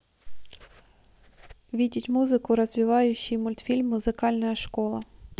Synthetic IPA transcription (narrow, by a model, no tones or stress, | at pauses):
ʋʲidʲɪtʲmuzɪkʊɾɐzʲʋʲɪʋɑjʊɕːijmʊlʲt̪fʲilʲmːʊzɪkɑlʲnɐjɐʃkɔlˠɐ